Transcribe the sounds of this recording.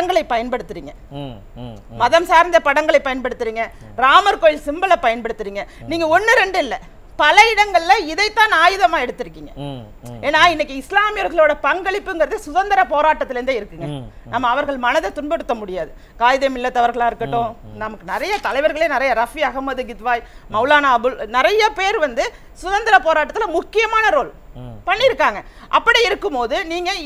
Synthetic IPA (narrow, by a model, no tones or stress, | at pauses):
ɽɐŋɡɐɭɐɪpːɐjɐnpɐɽɯt̪ːɯɾiːŋɡɐ | mɐðɐmsaːɾnd̪ɐpɐɽɐŋɡɐɭɐɪpːɐjɐnpɐɽɯt̪ːɯɾiːŋɡɐ | ɾaːmɐɾkoːjɪlsɪmbɐlɐpɐjɐnpɐɽɯt̪ːɯɾiːŋɡɐniːŋɡɐɔnːɯɾɛɳɖɯɪlːɐ | pɐlɐɪɽɐŋɡɐɭlɐɪðɐɪt̪ːãːnaːjɯðɐmaːɛɽɯt̪ːɪɾɯkːiːŋɡɐ | eːnːaːɪnɐkːɯɪslaːmɪjɔɾɣɐɭoːɽɐpɐŋɡɐɭɪpːɯɛŋɡɐɾɐðɯsʊðɐnd̪ɐɾɐpoːɾaːʈːɐt̪ːɪlɾɯnd̪ɯɪɾɯkːɯŋɡɐ | nɐmːɐːʋɐɾɣɐɭmɐnɐðɐt̪ʊnbɐɽɯt̪ːɐmʊɽɪjaːðɯ | kaːjðeːmɪlːɐt̪ːɐʋɐɾɣɐɭãːɪɾɯkːɐʈːʊ̃nɐmɐkːɯnɪɾɐjɐt̪ɐlɐɪʋɐɾɣɐɭeːnɪɾɐjɐɾɐfiɐɣɐmːɐðɯɡɪt̪ʋaːjmɐʊlaːnaːɐbɯlnɪɾɐjɐpeːɾʋɐnd̪ɯ | sʊðɐnd̪ɐɾɐpoːɾaːʈːɐt̪ːɪlɐmʊkːɪjɐmaːnɐɾoːl | pɐɳːɪɾɯkːaːŋɡɐ | ʔɐpːɐɽiɪɾɯkːɯmpoːðɯniːŋɡɐ